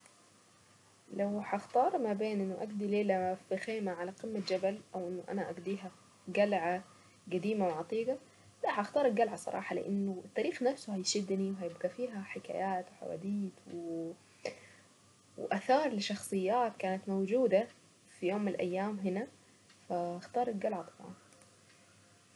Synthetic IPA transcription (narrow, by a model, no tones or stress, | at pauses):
lawħaʔxt̪ɑːɾˤmabeːnʔɪnːʊʔaɡd̪ileːlafixeːmaʕalaqɪmːad͡ʒabalʔawʔɪnːʊʔa̰naʔaɡd̪iːɦa | ɡalʕa | ɡad̪iːmawʕɑt̪ˤiːɡa | laħaʔxt̪ɑːɾˤɡalʕasˤɑ̰ɾˤɑ̰ːħɑlɪ̰ʔa̰nːʊɪt̪ːaːɾiːxnafsʊhajʃɪd̪ːniwɦajɪbɡafiːɦaħɪka̰ːjaːt̪wħa̰wa̰ːd̪iːt̪w | wʔaθɑːɾˤlɪʃɑxsˤɨjːaːt̪kaːnat̪mawd͡ʒuːd̪a | fijoːmːɪnalʔa̰jːaːmɦɪna | faaxt̪ɑːɾˤɪlɡalʕat̪ˤɑ̥bʕɑ̰n